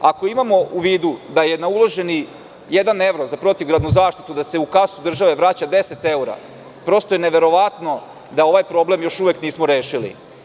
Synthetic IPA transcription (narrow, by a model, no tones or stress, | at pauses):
ako̞imamo̞uʋiːd̪ud̪aje̞naulˠo̞ʒe̞ni | jed̪ane̞ʋɾo̞zapɾo̞t̪iʋɡɾad̪nuzaːʃt̪i̥t̪ud̪ase̞ukasud̪r̩ʒaʋe̞ʋɾaːt͡ɕad̪e̞set̪e̞uɾa̰ | pɾo̞st̪ojeneʋe̞ɾo̞ʋat̪no̞ | d̪ao̞ʋajpɾo̞blemjo̞ʃuʋekniːsmoɾeːʃilḭ